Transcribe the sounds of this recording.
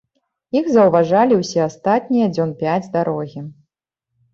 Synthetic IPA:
ixzɐwvaʐalʲiwsʲɛast̪at̪̚ʲnʲijɐd͡zʲɔnpʲad͡zʲd̪aɾɔɣʲi

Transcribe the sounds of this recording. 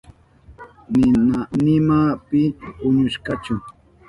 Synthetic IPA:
nɪanɪmapɪʊɲʊʃkɑt͡ʃʊ

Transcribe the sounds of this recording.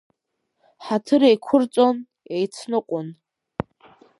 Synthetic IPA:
ħatʰɨɾejkʷʰʊrt͡sʼon | ejt͡sʰnɨqʷʼʊn

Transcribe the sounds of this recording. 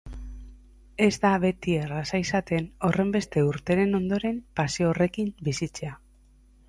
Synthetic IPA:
e̞zd̪aβe̞t̪ierasaisat̪e̞no̞re̞mbe̞st̪e̞uɾt̪e̞ɾe̞no̞nd̪o̞ɾe̞mpasioore̞kimbisit͡se̞a

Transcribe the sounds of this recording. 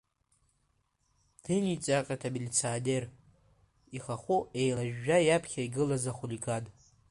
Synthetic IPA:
dʰɨnit͡sʼaqʲʼatʰabilʲit͡sʰaːdʲer | iχaχʷuejlaʒᶣːajapʰχʲaiɡɨlazaχuliɡad

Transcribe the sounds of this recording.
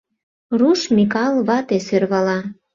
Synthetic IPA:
ruʃmikɑlβɑt̪esørβɑlɑ

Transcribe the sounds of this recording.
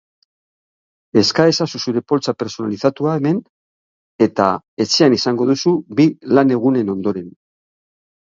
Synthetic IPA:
e̞skae̞sasusuɾe̞po̞lt͡sape̞ɾso̞nalisat̪uae̞me̞n | e̞t̪a̰ | e̞t͡se̞anisaŋɡo̞ðusubilane̞ɣ̞une̞no̞nd̪o̞ɾe̞n

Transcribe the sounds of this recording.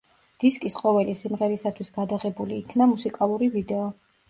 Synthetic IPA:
d̪̥iskʼisqʼɔvɛlisimʁɛɾisat̪ʰwisɡad̪aʁɛbuliːkʰnamusikʼalˠuɾivid̪ɛɔ

